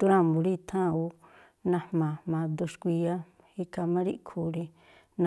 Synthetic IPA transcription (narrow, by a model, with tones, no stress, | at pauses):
d̪u˦ɾã˦˧˨mbu˨˧ɾi˦t̪ʰã˦˨u˧ | nã˧hmã˨mã˧d̪u˧ʃkʷi˧a˦ | hi˧ka˧mã˦ɾi˦ʔkʰu˨ɾi˧ | nã